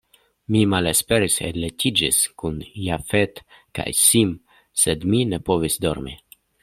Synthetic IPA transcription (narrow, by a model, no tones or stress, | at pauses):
mimalespe̞ɾiseletid͡ʒiskunjafet̪ | ka̰jsim | sed̪mine̞po̞visd̪o̞̰ɾmḭ